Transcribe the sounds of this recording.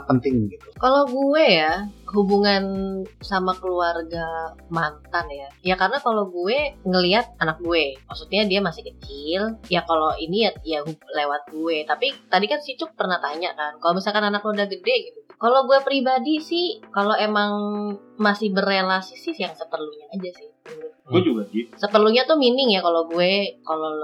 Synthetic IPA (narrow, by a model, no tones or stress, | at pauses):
pənt̪ɪŋɡit̪ukaloɡuɛjaɦubuŋansamakəluarɡamant̪anjajakarənakaloɡuɛŋəliɦat̪̚anak̚ɡuɛmaksut̪̚ɲadiamasɪhkət͡ʃɪljakaloʔiniajaɦulewat̪̚ɡuɛt̪apit̪adikansit͡ʃʊk̚pərnaht̪aɲa̰ʔkankalomisalkananak̚lodahɡədɛɡit̪ukaloɡuepɾibadisɪhkaloemaŋ | masɪhbərelasɪsɪhjaŋsəpərluɲaːd͡ʒasɪhiɡd͡ʒuɡadisəpərluɲat̪uminɪŋjakaloɡuɛkalo